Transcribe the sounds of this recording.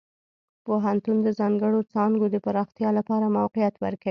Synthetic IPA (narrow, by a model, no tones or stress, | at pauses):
poɦant̪und̪əzɑŋɡəɽot͡sɑŋɡod̪əpaɾɑxt̪jɑlapɑɾamawqɪjat̪wəɾkai